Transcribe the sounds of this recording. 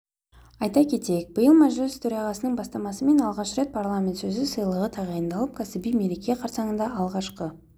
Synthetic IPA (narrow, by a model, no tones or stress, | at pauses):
ɑjt̪ɑkʲʰe̞t̪e̞jek̚b̥əjəlˠmaʒɪst̪ʰɵɾɑʁɑsənəɴbɑst̪ɑmɑsəme̞nɑlˠʁɑʃɾe̞t̪̚pʰaɾlˠamʲe̞nt̪sɵzɪsəjlˠəʁət̪ʰɑʁɑjənd̪ɑlˠəp̚kʰæsɪbijmelekʲejeqʰɑɾsɑɴənd̪ɑʔɑlˠʁɑʃqə